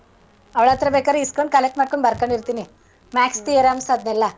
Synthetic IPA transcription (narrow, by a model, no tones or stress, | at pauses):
ɐʋɭat̪ɾɐbekaːɾeiskoɳɖkɐlek̚ʈmaːɽkoɳɖbɐɾkoɳɖiɾt̪ini | mæːkst̪ieɾamsɐd̪̚nɛlːɐ